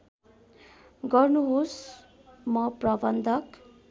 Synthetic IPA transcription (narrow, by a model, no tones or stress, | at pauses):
ɡʌrnuɦos | mʌprʌbʌnd̪ʱʌk